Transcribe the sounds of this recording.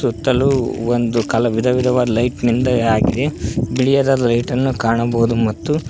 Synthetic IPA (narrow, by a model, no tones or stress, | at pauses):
sut̪ːɐluond̪ukɐlɐʋid̪ʱɐʋid̪ʱɐʋaːd̪ɐlɐjʈnind̪ɐaːɡid̪e̞biɭijɐd̪aːd̪ɐlɐjʈɐnːukaːɳɐboːud̪umɐt̪ːu